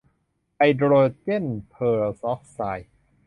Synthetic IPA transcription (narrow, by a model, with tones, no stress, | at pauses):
ʔa˧jdɾoː˧te˥˩npʰɤː˧˩sɔ˦˥fsaː˧j